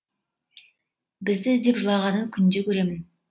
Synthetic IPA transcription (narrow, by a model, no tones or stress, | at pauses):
bɪzd̪ɪd̪e̞pʒəlˠɑʁɑnəŋkʲʰʏnd̪ekʲʰɵɾe̞mɪn